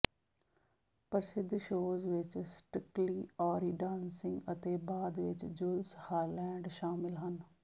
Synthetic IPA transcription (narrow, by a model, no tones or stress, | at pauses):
pəɾsɪd̪ʱːʃoːzʋɪt͡ʃsʈɪkliːɔːɾiɖãːnsɪŋɡət̪eːbaːd̪ʋɪt͡ʃd͡ʒʊlshaːlɛ̃ːɳɖʃaːmɪlɦən